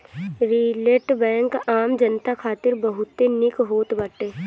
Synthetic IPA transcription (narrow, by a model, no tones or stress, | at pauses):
ɾiːleːʈbɛ̃ːŋkaːmd͡ʒənt̪akʰaːt̪ɪɾbəɦʊt̪ːenɪkɦoːt̪bɐʈeː